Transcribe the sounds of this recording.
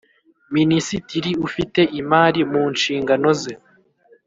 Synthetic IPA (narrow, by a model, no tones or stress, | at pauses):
minisitiɾiufite̞ʔimaːɾimuːnʃiːŋɡano̞ze